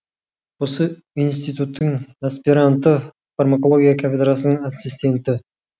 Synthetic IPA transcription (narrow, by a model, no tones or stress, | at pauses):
wo̞sə | ijns̬t̪ijt̪ut̪ʰːəŋaspiɾant̪ːə | farmakolˠo̞ɡʲijakʲʰafʲed̪ɾas̬ənəɴasist̪e̞nt̪ɪ